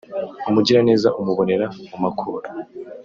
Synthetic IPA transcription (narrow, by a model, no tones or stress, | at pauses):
umuɟiɾane̞ːzaʔumuβo̞ne̞ɾamumakʰṵːɾa